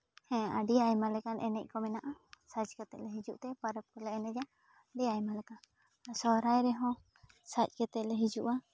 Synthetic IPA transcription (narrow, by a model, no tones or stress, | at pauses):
hɛ̃a̰ɖiajmalɛkanɛnɛc̚ˀkɔmɛnaʔasad͡ʒkɛt̪ɛʔlɛɦid͡ʒuʔt̪ɛpaɾəp̚kɔlɛɛnɛd͡ʒa | ɖiajmalɛkan | sɔɾajɾɛɦɔ̃ | sac̚ˀkɛt̪ɛʔlɛɦid͡ʒuʔa